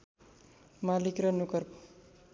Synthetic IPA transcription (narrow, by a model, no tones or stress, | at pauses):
malikrʌnukʌrp